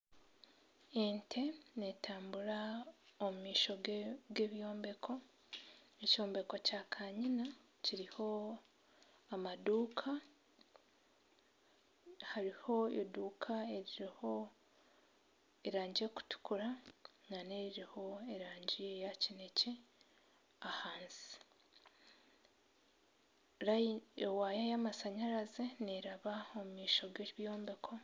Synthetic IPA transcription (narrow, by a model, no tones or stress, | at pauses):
entʰe̞ne̞tʰaːmbuɾaomumiːʃo̞ɡe̞βjo̞ːmbe̞kʰo̞ | eco̞ːmbe̞ko̞caːkʰaɲina | ciɾiho̞ | amaduːkʰa | haɾiho̞eduːkʰae̞ɾiɾiho̞ | eɾaːɲɟeku̥tu̥kuɾananeɾiɾiho̞e̞ɾaːɲɟiejacine̞ce̞ | ahaːnsi̥ | ɾaewaːjajamasaɲaɾazeneɾaβaomumiːʃo̞ɡeiβjo̞ːmbekʰo̞